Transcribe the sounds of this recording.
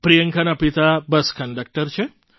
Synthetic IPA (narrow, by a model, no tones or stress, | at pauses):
pɾijəŋkʰanapit̪abəskəɳɖək̚ʈəɾt͡ʃʰe